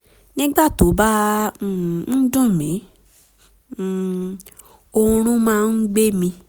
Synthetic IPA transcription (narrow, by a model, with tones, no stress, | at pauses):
nĩ˦ɡ͡ba˦˨to˨˦ba˦˨ | n̩˦dũ˦˨mĩ˨˦˨ | o˧ũ˧ɾ̃ũ˦mãː˦˧n̩˦ɡ͡be˦mĩ˧